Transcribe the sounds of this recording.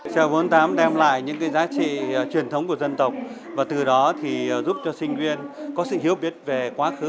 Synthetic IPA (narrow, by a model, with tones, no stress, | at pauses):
sɛ̰˧˩vu˨˦nt̪aː˨˦mɗɛ˧mla̰ː˧˨jɲɨ̰˧˥ŋkaː˨˦jzaː˨˦t͡ɕḭ˧˨t͡ɕwi˨˩ənt̪ʰə˨˦wŋ͡mku˧˩əzə˧nt̪ə˨˩wk͡p̚ | vaː˨˩t̪ɨ˨˩ɗɔ˨˦t̪ʰi˨˩zu˦˥p̚t͡ɕɔ˧sï˧ŋ̟zwi˧ənkɔ˨˦sɨ̰˧˨hi˨˦əwɓi˨˩ət̚ve˨˩kwaː˨˦xɨ˨˦